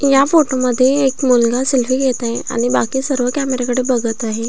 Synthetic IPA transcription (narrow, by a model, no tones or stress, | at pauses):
jafoʈoməd̪ʱːjeːkmulɡaselfiɡet̪aɦea̰ɽ̃ibakiːsəɾʋəkæmeɾakəɽebəɡət̪aɦe